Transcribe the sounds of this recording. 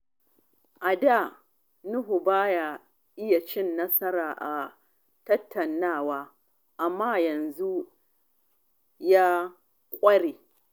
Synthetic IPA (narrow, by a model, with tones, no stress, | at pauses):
ʔa˨da˦˨ | nʊ˦ɦu˨baː˦ja˦ | ʔɪ˦ja˨t͡ʃɪ˦nːɐ˦sɐ˦ɾaː˨ʔa˨ | tɐ˦tʰːɐ˨nːaː˦˨waː˦ | ʔa˨mːaː˦˨jɐ˨nzu˦ | ja˦ | kʷʼɐ˦ɽeː˨